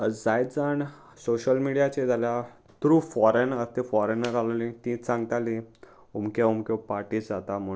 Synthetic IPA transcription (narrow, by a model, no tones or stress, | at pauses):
d͡zajt̪d͡zaɳ | soɕəlmiɽijat͡ɕed͡zʱalja | t̪ɾũfɔɾenəɾt̪efɔɾenəɾalalit̪ĩt͡sãŋɡt̪ali | umkaumkopaɾʈiːsd͡zat̪am̤ə